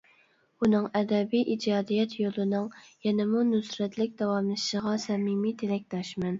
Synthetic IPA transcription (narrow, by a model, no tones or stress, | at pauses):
unɨŋɛd̪ɛbijʔid͡ʒɑːd̪ijɛt̪ʰjolˠɨnɨŋjɛnɪmunysɾɛt̪ʰlɪk̚ʲd̪ɑwɑmlˠɨʃʃəʁɑsɛmimit̪ʰelɛk̚ʲt̪ʰɑʃmɛn